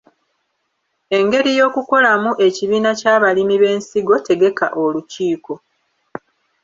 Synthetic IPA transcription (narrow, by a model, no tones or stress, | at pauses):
e̞ŋɡe̞ɾijo̞ːkuko̞lamuʔe̞ciβiːnacaːβalimiβe̞ːnsiɡo̞te̞ɡe̞ka̰ʔoluciːko̞